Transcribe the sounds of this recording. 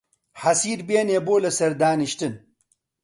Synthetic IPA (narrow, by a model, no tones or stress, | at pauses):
ħɐsiːɾbeːneːboːlɐsɐɾd̪aːniʃt̪ɨn